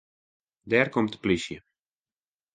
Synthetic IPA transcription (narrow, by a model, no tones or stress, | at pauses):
dɛːrkomtplisjə